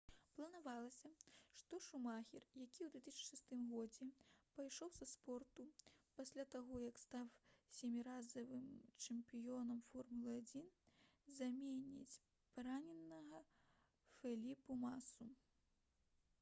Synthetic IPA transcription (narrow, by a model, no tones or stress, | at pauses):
plˠɐnavalˠɐsʲɐʂt̪ɔʂumaxʲirjakʲiwd̪vʲɛt̪ɨsʲt͡ʃʂɨst̪ɨmɣɔd͡zʲɛpajʂɔwzɐspɔrt̪upasʲlʲat̪aɣɔjɐkst̪awsʲemʲiɾazɐvɨmt͡ʂɛmpʲijɔnɐmfɔrmulˠɨad͡zʲinzamʲenʲḭt͡sʲ | paɾanʲɛnːɐɣɐ | fʲɛlʲipumasu